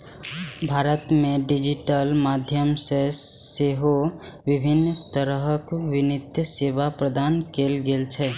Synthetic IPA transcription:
bʱaːɾət̪meɖid͡ʒiʈəlmad̪ʱjəmseseɦo | ʋɪbʱɪnːt̪əɾəɦəkwɪnɪt̪jəseʋapɾəd̪aːnkelɡelt͡ʃʰɛ

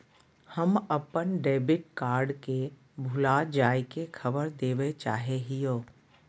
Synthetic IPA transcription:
həməpənɖeːbɪʈ̚kaːɾɖke | bʱʊlad͡ʒaːjkekʰəbəɾd̪eːʋet͡ʃaːɦeɦijoː

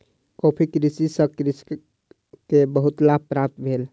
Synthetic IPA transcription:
kopʰikɾisisəkɾis | kebəɦut̪lab̚pɾap̚t̪bʱel

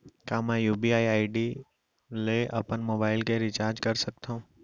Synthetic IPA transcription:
kãːmɛ̃ːjuːbiaːiaːɪɖi | leʔɐpənmoːbaːɪlkeɾɪt͡ʃaːɾd͡ʒkɐɾsɐk̚t̪ʰõː

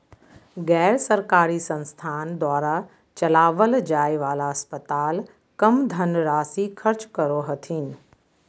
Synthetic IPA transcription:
ɣɛːɾsɐɾkaːɾisɐ̃nst̪ʰaːnd̪aːɾa | t͡ɕɐlaːʋəld͡ʑaːiʋaːlaɐspət̪aːl | kɐmd̪ʱɐnɾaːsikʰɐɾt͡ɕkɐɾoɦɐt̪ʰiːnɪ̆

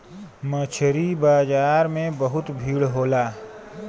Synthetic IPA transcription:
mət͡ʃʰɾibaːzaːɾmẽbɐɦʊt̪bʱiːɭɦoːlaː

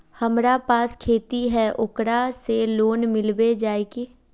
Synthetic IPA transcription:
həmɾapaːskʰeːt̪iɦɛʔʊkɾaseloːnmɪlbed͡ʒaːeɡeː

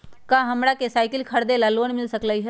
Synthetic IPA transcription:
kãɦəmɾakesaːɪkɪlkʰəɾd̪elaloːnmɪlsəkləjt͡ʃʰɛ

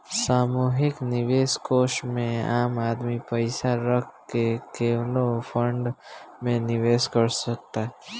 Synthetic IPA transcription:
saːmuːɦɪknɪʋeːskoːsʈmẽaːmaːd̪mipəɪsaɾəkʰkekeːwlopʰə̃ɳɖmẽnɪʋeːskəɾsək̚t̪aɦɛ

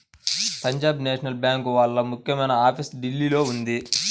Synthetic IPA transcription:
pɐɲd͡ʒaːbneːʂɐnɐlbjaːŋkʋaːɭːɐmukjɐmɐjnɐaːpʰisɖilːilo̞ːund̪i

